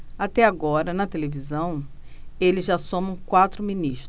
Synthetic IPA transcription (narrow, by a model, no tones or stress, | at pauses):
at̪ɛaɡɔɾɐnɐt̪elevizɐ̃w̃ | elɪzʒasõmɐ̃w̃kwat̪ɾʊminiʃt̪